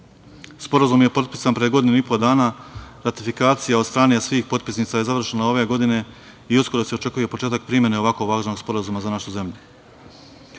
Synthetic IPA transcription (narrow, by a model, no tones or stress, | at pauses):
spo̞ɾazumje̞po̞t̪̚pisanpɾejeɡo̞d̪inuipo̞d̪aːnaɾat̪ifikaːt̪sijaod̪st̪ɾaːnesʋiːxpo̞t̪̚pisniːt̪saje̞zaʋr̩ʃenao̞ʋe̞ɡo̞d̪ine̞ | iusko̞ɾo̞se̞o̞t͡ʃe̞kuje̞po̞t͡ʃeːt̪ak̚pɾimje̞neo̞ʋakoʋaːɡʒnoɡspo̞ɾazumazanaʃuze̞mʎu